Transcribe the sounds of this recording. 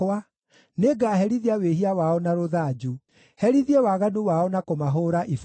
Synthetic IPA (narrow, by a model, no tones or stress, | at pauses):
a | neɡaːɦɛɾiðiaweɦiawaɔnaɾoðad͡ʒu | hɛɾiðiewaɣanuwaɔnakomaɦoːɾaʔif